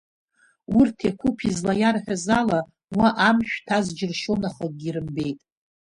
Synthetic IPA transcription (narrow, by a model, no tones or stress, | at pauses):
urtʰekʷʰupʰizlajarħʷᶣazala | waʔamʃᶣtʰazd͡ʒɪrʃonaχək̚ɡʲiɾɨmbe̞jtʼ